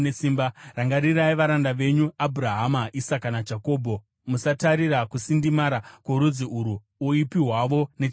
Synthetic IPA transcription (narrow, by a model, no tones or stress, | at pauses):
esiːmbaraŋɡaɾiraiʋaɾandaʋe̞ɲuabʱuɾaɦamaʔisakanad͡ʒako̞ːbʱo̞ | musataɾiɾakusindimaɾakoɾud͡ziuɾuː | ipiɦwaʋo̞ne